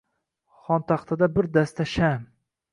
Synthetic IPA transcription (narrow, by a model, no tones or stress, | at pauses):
χɒnt̪ʰɑχt̪ʰad̪abɪɾd̪ast̪ʰaʃam